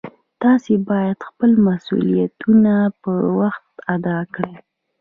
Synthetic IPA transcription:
t̪ɑsebɑjad̪xpəlmasṵlijat̪unapəwaxt̪ad̪ɑkɽi

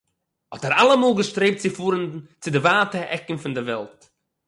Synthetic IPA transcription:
hɔtɛɾalˠəmuːlˠɡəʃtɾeɪp̚t͡sɪfuːɾənt͡sɪdɪvaːtəʔɛkn̩fɪndɪvɛlˠt

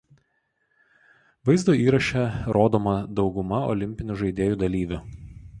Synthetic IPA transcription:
ʋɐɪzd̪oːiːɾɐʃʲɛɾoːd̪oːmɐd̪ɒʊɡʊmɐɔ̰lʲɪmʲpʲɪnʲʊʒɐɪd̪ʲeːjuːd̪ɐlʲiːʋʲʊ

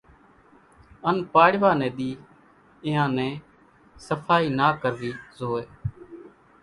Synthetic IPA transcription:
ənpaːɽʋaːnɛ̃ːɗ̪iː | ɪɦãːnɛ̃ː | səfʰaːiːnaːkəɾd̪iːzoːeː

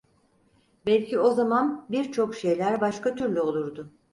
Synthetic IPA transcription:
bɛlʲcʰio̞zamanbiɾt͡ʃʰo̞kʃe̞jlʲæɾbaʃkat̪ʰyɾlʲyo̞lˠuɾd̪ʊ

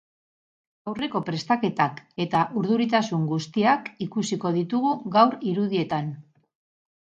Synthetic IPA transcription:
awre̞ko̞pɾe̞st̪ake̞t̪ake̞t̪aʔuɾðuɾit̪asuŋɡust̪iakikusiko̞ðit̪uɣuɣawɾiɾuðie̞t̪an

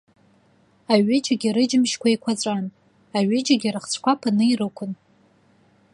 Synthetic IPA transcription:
aɥɪd͡ʒaɡʲiɾɨd͡ʒɪmʃkʷʰaikʷʰat͡sʷʼan | aɥɪd͡ʒaɡʲirɨχt͡ɕʷʰkʷapʰanɨirɨkʷʰʊn

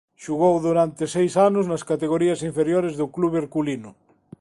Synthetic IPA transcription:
ʃuɣowðuɾant̪esejsanʊznaskat̪eɣ̞oɾiasiɱfeɾjoɾezðʊkluβeɾkulinʊ

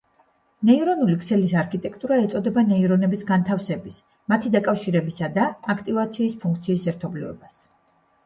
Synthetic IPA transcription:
nɛiɾɔnulikʼʰsɛlisaɾkʰit̪ʼɛkʰt̪ʼuɾaɛt̪sʼɔd̪ɛbanɛiɾɔnɛbisɡant̪ʰafsɛbis | mat̪ʰid̪akʼafʃiɾɛbisad̪aːkʰt̪ʼivat̪sʰiːspʰuŋkʰt̪sʰiːsɛɾt̪ʰɔblivɛ̰bas

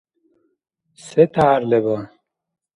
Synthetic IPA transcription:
set̪ʰaːɾlebɔn

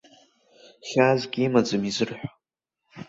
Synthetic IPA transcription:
χʲazɡʲʼimad͡zɨmizɨrħʷᶣa

